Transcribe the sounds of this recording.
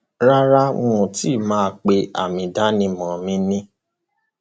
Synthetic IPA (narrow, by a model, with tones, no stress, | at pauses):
ɾa˦ɾa˦ũ˧ũ˨ti˦˨mãː˦˧˦k͡pe˧a̰˨mĩ˧da˦nĩ˧mɔ̃˨mĩ˧˦nĩ˦